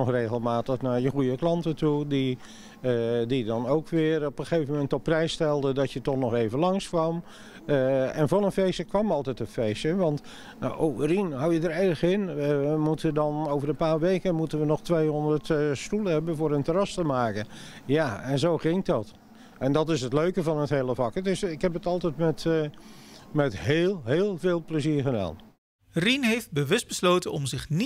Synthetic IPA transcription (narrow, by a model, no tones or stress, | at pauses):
ɔχreːɣəlˠmaːtəχnaɹjəχujəklɑntətudi | didɑnowkʋɪːrɔpəχejvəmmɛntɔpːrɛjstɛlˠdədɑtjətɔχnɔχejvənlɑŋskʋɑm | ɛnvɑnənfejsəkʋɑmɑlˠtɛtənfejsəʋɑnt | aʔoərinɦawjədəɾɛrəχɪnəmutəndɑnowvərəpaːɹʋejkənmutənʋənɔχtʋejɦɔndərtstulˠəɦɛbənvʊːɾəntərɑstəmaːkənjaɛnzowχɪŋkdɑt | ɛndɑtɪsətløɥkəvɑnətɦeːlˠəvɑkətɪsɪkɦɛpətɑlˠtɛjtmɛt | mɛtɦeːlˠɦeːlˠveːlˠpləziːɹχəda̰ːn | rinɦejft̚bəʋɵsdbəsloːwtənɔmzɪχni